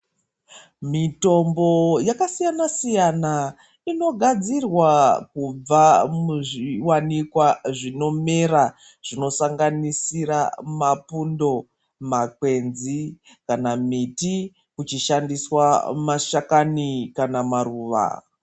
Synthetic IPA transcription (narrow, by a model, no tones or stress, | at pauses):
mito̞mbo̞jakasijanasijana | ino̞ɡʱad͡zirwakub͡vamuʐiwanikwaʐino̞mera | ʐ̥ino̞saŋɡanisiɾamapundo̞ | makwe̞nzi | kanamiti | kut͡ʃiʃandiswamaʃakanikanamaruːʋa̰